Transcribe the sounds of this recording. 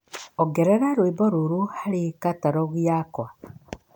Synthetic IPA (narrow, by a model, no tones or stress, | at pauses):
ɔɡɛɾɛɾaɾwibɔɾuɾuhaɾekataɾɔɣjakwa